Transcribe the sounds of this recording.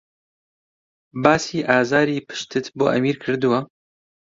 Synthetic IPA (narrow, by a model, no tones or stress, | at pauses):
baːsiːʔaːzaːɾiːpʰɨ̥ʃt̪ʰɨt̪bo̰ːʔɐ̰miːɾkʰɨɾd̪ɨwɐ